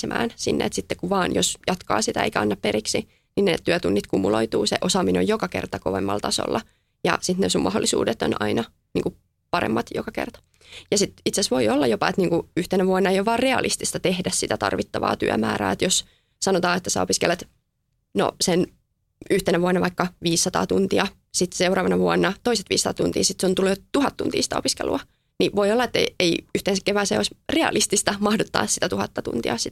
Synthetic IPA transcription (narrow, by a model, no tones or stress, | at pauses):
emʔæ̰ːnsinːḛḛt̪sit̪ːekuʋɑːnjosjɑt̪kɑ̰ːsit̪æḛikæɑnːɑppeɾiksi | ninnet̪t̪ːyæt̪unːit̪kumuloit̪uːseʔosɑmineojokɑkḛrt̪ɑkoʋemːɑ̰lt̪ɑso̰lːɑ | jɑ̰sit̪nesummɑholːisṵːdet̪ːonɑinɑ | niːŋku | pɑrḛmːɑt̪jo̰kɑkert̪ɑ̥ | jɑsit̪it̪sesʋoiolːɑjopɑet̪niːŋkuyht̪enæʋuɑnːɑejoʋɑːrreɑlʔist̪ist̪ɑt̪ehdæssit̪æt̪ɑ̰rʋit̪ːɑʋɑ̰ːt̪y̰æ̰mæːɾæ̰ːet̪jos | sɑnot̪ɑːet̪ːæsæ̰o̰piskḛlet̪ | no̰sen | yht̪enæʋuɑnːɑʋɑikːɑʋiːsːɑt̪ɑ̰ːt̪unt̪iɑ | sit̪seurɑːʋɑnɑʋuɑnːɑt̪oiset̪ʋḭːsːɑt̪ɑt̪ṵnt̪ḭːsit̪sont̪ulːet̪uhɑt̪t̪ṵnt̪ḭːsi̥t̪æo̰piskḛlʔṵɑ | niʋoiolːɑet̪ːḛeiyht̪ensækeʋæːsḛo̰isreɑ̰list̪ist̪ɑmɑhdot̪ːɑ̰ːssit̪æt̪uhɑt̪ːɑt̪ṵnt̪ḭɑ̰sit̪